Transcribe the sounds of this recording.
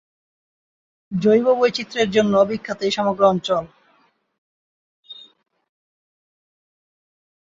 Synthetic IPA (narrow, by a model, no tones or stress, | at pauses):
d͡ʑojbobojt͡ɕit̪ːɾeɾd͡ʑonːoɔbikʰːat̪ejʃɔmoɡɾoɔnt͡ɕol